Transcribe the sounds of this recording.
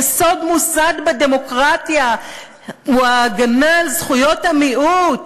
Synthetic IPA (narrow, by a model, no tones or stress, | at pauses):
so̞d̪musad̪bed̪emo̞kʁatja | uaɡanalzχujo̞tamiʔut